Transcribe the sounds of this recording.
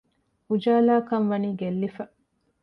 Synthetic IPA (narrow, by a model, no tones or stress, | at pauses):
ud͡ʒaːlaːkɐnʋɐniːɡelːifɐ